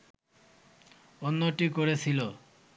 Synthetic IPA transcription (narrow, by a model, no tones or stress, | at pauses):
onːoʈikoɾet͡ɕʰilo